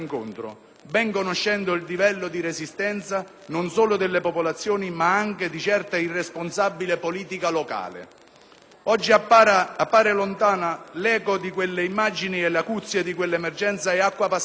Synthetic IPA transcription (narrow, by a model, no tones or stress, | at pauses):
ŋkʊnt̪ɾʊ̰ | bɛŋkonoʃːɛnd̪ʊild̪ivɛlːʊd̪iɾesist̪ɛnt̪sa | nʊnsɔːlʊd̪elːepopolat̪sːjɔːnimaaŋked̪it͡ʃɛrt̪airːesponsabːilepoliːt̪ikalɔka̰ːlɪ̰ | ɔd͡ʒːiaapːaːɾelont̪aːnalɛːkod̪ikwelːeimːad͡ʒiniɛlakut̪sːjed̪ikwelːɛmɛrd͡ʒɛnt̪saɛakːwapa